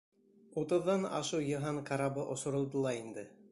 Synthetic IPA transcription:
ut̪ɤ̆ðːɑnɑ̰ʃɤwjɤ̆ɦɑɴqɑɾɑbɤʔŏsŏɾŏlˠd̪ɤlˠɑɾind̪ɘ

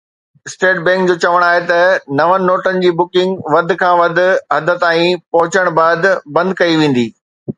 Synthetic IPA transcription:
ɪsʈeːʈ̚bɛ̃ːŋkd͡ʑoːt͡ɕɐʋəɽ̃aːɦet̪ɐnɐʋənɪ̆noːʈənɪ̆d͡ʑiːbʊkɪ̃ŋɡʋɐd̪ʱɪ̆kʰãːʋɐd̪ʱʊ̆ɦɐd̪ʱə̆t̪aːĩpɐɦʊt͡ɕəɽ̃baːd̪bɐ̃nd̪̚kɐiʋẽːn̆d̪iː

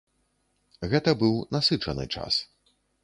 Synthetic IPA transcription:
ɣɛt̪ɐbɨwnasɨt͡ʂɐnɨ̰t͡ʂa̰s

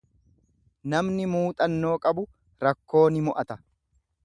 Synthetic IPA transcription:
nɐmnɪmuːt̪ʼɐnːo̞ːkʼɐbʊ | ɾɐkːo̞ːnɪmɔʔɐt̪ɐ

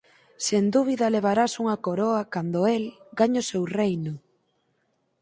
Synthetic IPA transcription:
send̪uβ̞iðɐleβ̞aɾasuŋɐkoɾoɐkand̪oelɡaɲʊsewrejnʊ

